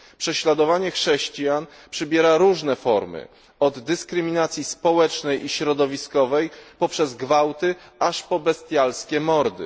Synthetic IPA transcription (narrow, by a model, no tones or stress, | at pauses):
pʂɛɕlad̪ɔvaɲɛxʂɛɕt͡ɕijan | pʂɘbʲjɛɾaɾuʐnɛfɔɾmɘ̰ | ɔd̪ːɘskɾɘmʲinat̪sʲjispɔwɛt͡ʂnɛjʔiɕɾɔd̪ɔvʲiskɔvɛjpɔpʂɛzɡvawt̪ɘaʂpɔbɛst̪ʲjalskʲɛmɔɾd̪ɘ̰